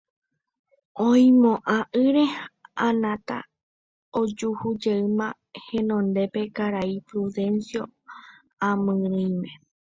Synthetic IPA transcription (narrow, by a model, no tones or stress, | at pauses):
õĩmõʔãʔɨɾeãnãt̪a̰ | od͡ʒuhud͡ʒeɨmã | hẽ̞nõ̞nd̪epe̞kaɾaipɾuðe̞nsjo̞ | ãmɨ̃ɾɨ̃j̃mẽ